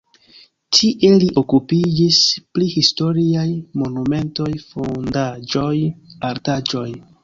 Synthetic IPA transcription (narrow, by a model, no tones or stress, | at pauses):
tʰiʔeliʔo̞kupid͡ʒisplihisto̞ɾiajmo̞nume̞nto̞jfondad͡ʒo̞jaɾtad͡ʒo̞j